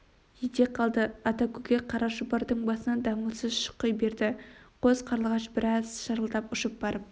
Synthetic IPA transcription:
jed̪eqʰːɑlˠd̪əɑt̪ɑkʲʰɵɡʲeqʰɑɾɑʒʊbɑɾd̪əɴbɑsənɑnd̪ɑmusəzʃʊ̥qːəjbe̞ɾd̪ɪqʰozqʰɑɾəlˠʁɑʃbɪɾɑzʃɑɾəlˠd̪ɑpʊʃəp̚bɑɾəp̚

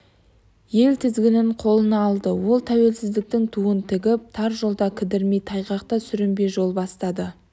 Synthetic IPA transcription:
je̞lt̪ʰɪzɡʲɪnɪɴqʰo̞lˠənɑːlˠd̪əwo̞lˠt̪ʰæwe̞lsɪzd̪ɪk̚t̪ɪŋt̪ʰuənt̪ʰɪɡʲɪp̚t̪ʰɑɾʒo̞lˠd̪ɑkʲʰɪd̪ɪɾmejt̪ʰːɑjqɑq̚t̪ɑsʏɾɪmbeʒo̞lˠbɑst̪ɑd̪ə

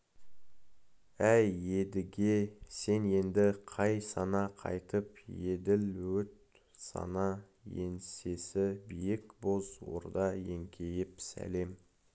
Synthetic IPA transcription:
æje̞d̪ɪɡʲe̞se̞ne̞nd̪ɪqʰɑjsɑnɑqʰɑ̰jt̪əpje̞d̪ɪlwɵt̪̚ | sɑ̰nɑ | jense̞sɪbijɪkbozwo̰ɾd̪ɑje̞ŋkʲʰe̞jɪpsæ̰le̞m

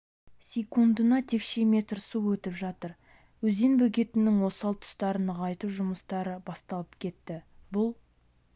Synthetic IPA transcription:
sʲekund̪ənɑt̪ʰe̞kʃe̞me̞t̪ɾsuwɵt̪ɪpʒɑt̪əɾ | wɵze̞nbɵkʲe̞t̪ɪnːɪŋwo̞sɑlˠt̪ʰʊ̥st̪ɑɾənəʁɑjt̪uʒʊməst̪ɑɾəbɑst̪ɑlˠəpkʲʰe̞t̪ːɪbʊlˠ

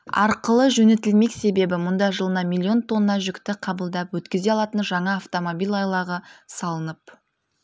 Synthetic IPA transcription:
ɑ̰ɾqəlˠəʒɵne̞t̪ɪlme̞kse̞be̞bɪmʊnd̪ɑʒəlˠənɑmilʲˠːio̞nt̪ʰo̞nːəːɑʒʏkt̪ɪqʰɑbəlˠd̪ɑpwɵt̪kʲɪze̞ɑlˠɑt̪ənʒɑɴɑːft̪o̞mobijlʲˠɑjlˠɑʁəsɑlˠənəp̚

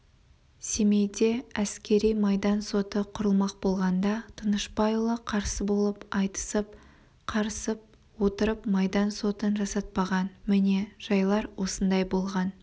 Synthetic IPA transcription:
se̞mejd̪e̞æskʲe̞ɾijmɑjd̪ɑnso̞t̪əqʰʊɾəlˠmɑq̚bo̞lˠʁɑnd̪ɑt̪ʰənəʃbɑjlˠəqʰɑɾsəbo̞lˠəpɑjt̪ə̥səp̚ | qʰɑɾəsəp̚ | wo̞t̪əɾəpmɑjd̪ɑnso̞t̪ənʒɑsɑt̪̚pɑʁɑnmɪne̞ʒ̥ɑjlˠɑɾwo̞sənd̪ɑjbo̞lˠʁɑn

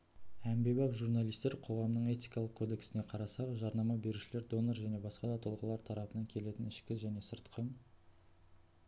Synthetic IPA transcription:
æmbe̞bɑpʒuɾnɑlˠijst̪e̞ɾqʰo̞ʁɑmnəɴe̞t̪ʲijkɑlˠəq̚kʰo̞d̪e̞ksɪne̞qʰɑɾɑsɑqʒɑɾnɑmɑbe̞ɾuʃɪleɾd̪o̞noɾʒæne̞bɑsqɑd̪ɑt̪ʰʊlˠʁəlˠɑɾt̪ʰɑɾɑpənɑŋkʲʰe̞le̞t̪ɪnɪʃkʲɪʒæne̞səɾt̪qʰə

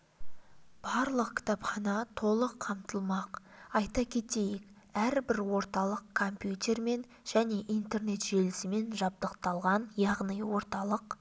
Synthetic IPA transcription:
b̥ɑɾlˠəqkʲʰɪ̥t̪ɑpχɑnɑt̪ʰo̞lˠəqʰːɑmt̪əlˠmɑqɑjt̪ɑkʲʰe̞t̪e̞jɪk | æɾbɪɾwo̞ɾt̪ɑlˠəqkʰompjut̪ʲe̞ɾme̞n | ʒ̥æne̞ʔijnt̪e̞rne̞t̪ʒ̥e̞lɪsɪme̞nʒɑb̚d̪əqt̪ɑlˠʁɑnjɑʁnəjwo̞ɾt̪ɑlˠəq

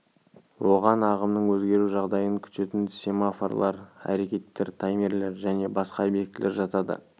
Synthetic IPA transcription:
wo̞ʁɑnɑʁəmnəɴwɵzɡʲe̞ɾuʒɑʁd̪ɑjəŋkʲʰʏ̥t̪e̞t̪ɪnsʲemaforlˠɑɾæ̰ɾe̞kʲe̞t̪ːe̞ɾt̪ʰɑjmʲe̞ɾle̞ɾʒæne̞bɑsqɑbe̞k̚t̪ɪlʔe̞ɾʒɑt̪ɑd̪ə̰

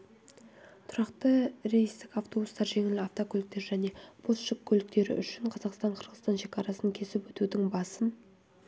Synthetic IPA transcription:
t̪ʰʊɾɑqt̪əɾejist̪ɪkɑft̪o̞bust̪ɑɾʒe̞ŋɪlɪɑft̪okʲʰɵlɪk̚t̪eʒæne̞b̥ʰosʃɪkʲʰːɵlɪkt̪e̞ɾɪ̰ʔʏʃɪɴqʰɑzɑqst̪ɑɴqʰəɾʁəzt̪ɑnʃe̞kʲɑɾɑsəŋkʲʰe̞sɪpwɵt̪ud̪ɪŋbɑsən

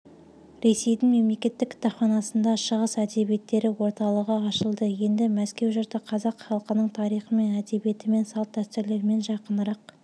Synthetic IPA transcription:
ɾe̞se̞jd̪ɪŋme̞mlekʲe̞t̪ːɪkʲːʰɪ̥t̪ɑpχɑnɑsənd̪ɑʃəʁəsæd̪e̞bije̞t̪ːe̞ɾɪwo̞ɾt̪ɑlˠəʁəɑʃəlˠd̪əje̞nd̪ɪmæskʲe̞wʒʊɾt̪əqʰɑzɑqχɑlˠəqənəɴt̪ʰɑɾijχəme̞næd̪e̞bije̞t̪ɪme̞nsɑlˠt̪̚ːæst̪ɪɾle̞ɾɪme̞nʒɑqənəɾɑq

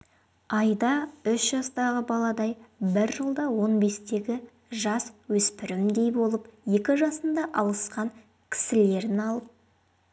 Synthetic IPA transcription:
ɑjd̪ɑʏʃʒɑst̪ɑʁəbɑlˠɑd̪ɑjbɪɾʒəlˠd̪ɑwo̞nbe̞st̪e̞ɡʲɪ | ʒɑswɵspɪɾɪmd̪e̞jbo̞lˠəpje̞kʲɪʒɑsənd̪ɑʔɑw̪ˠəsqɑŋ | kʲʰɪ̥sɪle̞ɾɪnɑlˠəp̚

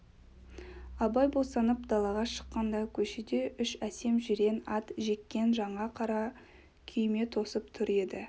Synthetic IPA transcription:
ɑbɑjbo̞sɑnəpd̪ɑlˠɑʁɑʃə̥qːɑnd̪ɑkʲʰɵʃed̪e̞ʔʏʃæse̞mʒɪɾe̞nɑt̪ʒe̞kʲːe̞nʒɑɴɑqʰɑɾɑ | kʲʰʏjme̞t̪ʰo̞səp̚t̪ʰʏɾe̞d̪ɪ

